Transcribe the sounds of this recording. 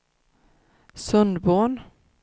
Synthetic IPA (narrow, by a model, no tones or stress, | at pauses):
sɵnd̪boːn